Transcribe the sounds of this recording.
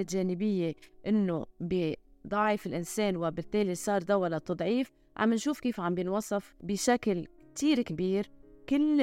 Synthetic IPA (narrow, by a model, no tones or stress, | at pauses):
ɪtʒeːnɪbɪjːeʔɪnːobɪd̪ˤɑʕɪfɪlʔɪnseːnwɪbɪt̪ːeːlisˤɑːɾˤd̪awalat̪ˤːɑd̪ˤʕiːf | ʕa̰mːɪnʃuːfkiːfʕambjɪnwɑsˤːɑfbɪʃaklkt̪iːɾkbiːɾkɪl